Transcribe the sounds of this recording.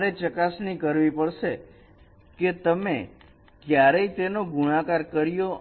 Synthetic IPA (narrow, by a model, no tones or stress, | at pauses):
ɾet͡ʃəkasnikəɾʋipəɽʃe | ket̪əmḛ | kjaɾəit̪enoɡʱuɽ̃akaɾkəɾjo